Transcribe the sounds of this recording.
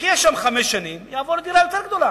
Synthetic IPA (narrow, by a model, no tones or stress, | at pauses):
kijɛʃːamχamesʃanimjaːvoɾd̪iɾajo̞t̪eɾɡd̪o̞la